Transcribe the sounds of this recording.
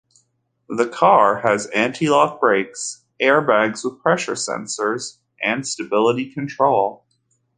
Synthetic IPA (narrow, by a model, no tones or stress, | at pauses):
ðɨkʰɑɹɨzæ̃ntʰilɑk̚b̥ɹeɪks | ʔɛɹbæɡzwəð̥pʰɹ̥ɛʃə̰˞sɛ̰̃nsə˞z | ʔɨ̃nstɨbɪlˠəɾikʰɨ̃ntʰɹ̥oʊlˠ